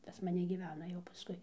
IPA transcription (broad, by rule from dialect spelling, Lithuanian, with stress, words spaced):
pɐs mɐˈnʲɛ ɡʲiːˈʋʲæːnɐ jɛʊ pɐˈskʊɪ